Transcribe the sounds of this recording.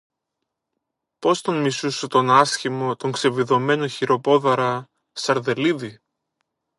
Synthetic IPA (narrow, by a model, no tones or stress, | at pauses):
po̞st̪onmisusut̪o̞nɐsçimo̞t̪o̞ŋkse̞viðo̞me̞noçiɾo̞po̞ðɐɾɐ | sɐɾðe̞liði